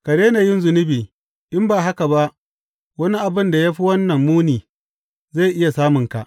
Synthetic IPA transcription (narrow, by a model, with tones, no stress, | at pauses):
kɐ˨ɽeː˦na˨jɪ˦nzʊ˨nʊ˦biː˨ | ʔɪ˦mbaː˨ɦa˦ka˨ba˦ʔ | wɐ˦ni˦ʔa˨bɪ˦nda˨jaː˦ɸi˦wɐ˦nːɐ˨mːuː˦niː˨ | za˦˨ʔɪ˦ja˨saː˦mʊ˨ŋka̰˨ʔ